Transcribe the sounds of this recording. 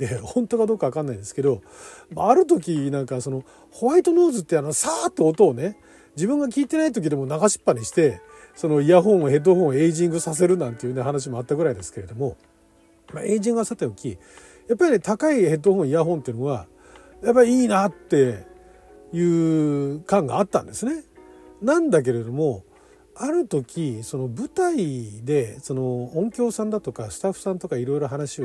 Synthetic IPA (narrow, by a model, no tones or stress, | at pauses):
t̪ehõnt̪o̞ɡad̪oːkaβakãnːaĩd̪e̞sɨ̥ke̞d̪o̞maːɾɯ̟t̪̬o̞k̬ʲinãŋkaso̞no̞ | hoβait̪o̞no̞ːzɨt̪ːe̞ano̞saːt̪ːe̞ot̪o̞ːne | d͡ʑibɯ̃ŋɡak̬ʲiːt̪e̞nait̪o̞k̬ʲid̪e̞mo̞naɡaɕi̥pːaɲiɕi̥t̪e̞ | so̞no̞iaɦõ̞ɰ̃ohe̞t̪̬ːoɦõɰ̃e̞iʑĩŋɡɯ̟sas̬e̞ɾɯ̟nãnt̪e̞jiɯ̟neɦanaɕ̬imo̞at̪ːaɡɯɾaid̪e̞sɨ̥ke̞ɾe̞d̪o̞mo̞ | mae̞ːʑĩŋɡasat̪ːeokʲi | japːaɾʲit̪akaihe̞t̪ːohõɰ̃iaɦõ̞nt̪eɯ̟noβa | japːaiiːnat̪ːe̞ | jɯ̟ːkãŋɡa̰ːt̪ːã̰nd̪e̞sɨne̞nãnd̪ak̬e̞ɾe̞d̪o̞mo̞ | aɾɯ̟t̪o̞kʲiso̞no̞bɯ̟t̪aid̪e̞so̞noõŋkʲo̞ːsãnd̪at̪o̞kasɨ̥t̪aɸɯ̟̥sãnt̪o̞kaiɾo̞iɾo̞ɦanaɕio